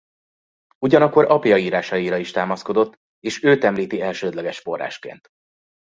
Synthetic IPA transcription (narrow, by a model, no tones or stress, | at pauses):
uɟɒnɒkːo̞ɾʔɒpjɒiːɾaːʃɒiɾɒiʃt̪aːmɒsko̞d̪o̞t̪ː | eːʃøːt̪ɛmliːt̪iɛlʃøːd̪lɛɡɛʃfo̞rːa̰ːʃkḛːnt̪